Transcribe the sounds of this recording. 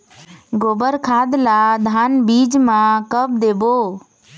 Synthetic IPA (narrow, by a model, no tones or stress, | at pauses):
ɡoːbəɾkʰaːd̪laːd̪ʱaːnbiːd͡ʒmãkəb̚d̪eːboː